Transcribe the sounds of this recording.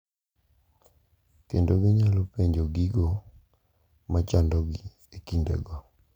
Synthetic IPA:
kendoɡɪɲalɔpeɲd͡ʒoɡiɡo | mat͡ʃandɔɡi | ekindḛɡɔ

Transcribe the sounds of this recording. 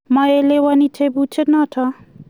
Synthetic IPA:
mʌelewʌnitʰebut͡ʃʰetnʌtʰʌ

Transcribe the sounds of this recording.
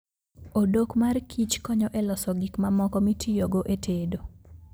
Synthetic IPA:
odokmarkʰit͡ʃkɔɲɔʔɛlɔsɔɡikmamɔkɔmitʰijoɡoʔetʰedo

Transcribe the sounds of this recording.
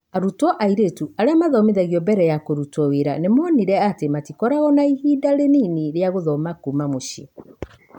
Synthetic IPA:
aɾutwɔʔaiɾetuaɾeamaðɔmeðɛɣiɔbɛɾɛjakoɾutɔweɾanemɔniɾɛatematikɔɾaɣɔnaihiːdaɾeniniɾeaɣoðɔmakumamoʃi

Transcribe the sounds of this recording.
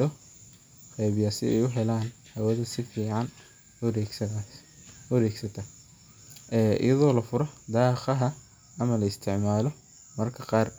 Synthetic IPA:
ɔ | qɛjβɪjaːsɪ̰ɛ̰jʊɦɛlaːn | hɐwɐðɐsɪfiːʕɑn | wɐɾɛːɡsɐt̪ʰɐ | ʔɛːʔɪ̰jɐðɔːlɐfʊɾɔd̪aːqɐɦɐ | ɐmɐlɐɪst̪ʰɪʕmaːlɔ | mɐrkʰɐqɑːr

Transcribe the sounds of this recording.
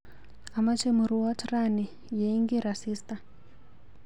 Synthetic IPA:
amat͡ʃemuɾuwatrani | jeiŋɡeɾasiːsta

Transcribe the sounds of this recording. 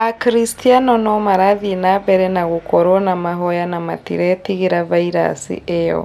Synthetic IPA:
akɾistianɔnɔmaɾaðinaβɛɾɛnaɣukʰɔɾɔnamaɦɔjanama̰tḭɾɛtiɣiɾavaiɾa̰sḭejɔ̰

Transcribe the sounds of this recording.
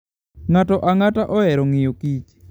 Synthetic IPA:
ŋatɔʔaŋataʔɔɛɾɔŋɪjokit͡ʃ

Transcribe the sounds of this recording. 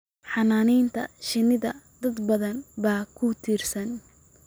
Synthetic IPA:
ħɑnaːnɛjnt̪ʰɐ̰ʃɪnɪðɐd̪ɐd̪bɐðɐnbaːkʰʊt̪ʰiːrsɐn

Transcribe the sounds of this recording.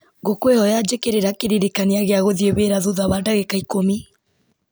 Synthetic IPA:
ɡokwehɔjad͡ʒekeɾeɾakeɾiɾekaneaɣeaɣoðieβeɾaðuðaβaːndaɣekaikomi

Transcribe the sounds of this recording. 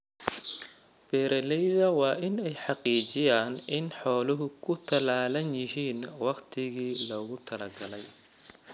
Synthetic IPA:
b̥ɛːɾɐlɛjðɐwɑːʔɪnɛjħɑqiːt͡ʃɪjaːnɪnħɔːlɔɦʊkʰʊt̪ʰɐlaːlɐnjɪɦiːnwɑqt̪ʰɪɣiːlɔːɣʊt̪ʰɐlɐɡɐlɛj

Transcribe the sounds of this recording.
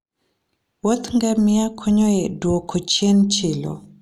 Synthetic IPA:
wot̪ŋɡɛmɪakʰoɲoɛdwokʰot͡ʃjent͡ʃelo̰

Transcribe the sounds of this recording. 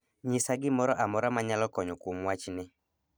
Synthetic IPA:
ɲɪsaɡɪmɔɾɔʔamɔɾamaɲalɔkɔɲɔkomwat͡ʃnɪ

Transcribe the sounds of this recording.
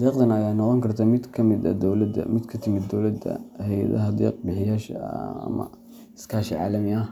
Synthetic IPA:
d̪ɛːqd̪ɐnɐjaːnɔqɔŋkʰɐrt̪ʰamɪd̪kʰɐmɪd̪ɐ̰d̪ld̪ɐ̰mɪd̪kʰɐt̪ʰɪmɪd̪ːɔwlɐd̪ɐ̰hɛjɐ̰ðɐ̰ɦɐd̪ɛ̰ːq̚bɪħɪjaːʃɐ̰mɐ̰ | ɪskʰaːʃɪʕa̰ːlɐmɪɐ

